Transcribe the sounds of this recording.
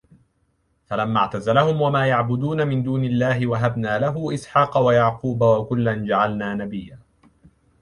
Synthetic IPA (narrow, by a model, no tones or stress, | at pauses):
falamːaʕt̪azalahʊmwamaːjaʕbʊd̪uːnamɪnd̪uːnɪlːaːɦɪwaɦabnaːlaɦʊʔɪsħɑːqɑwajaʕquːbawakʊlːand͡ʒaʕalnaːnabɪjːaː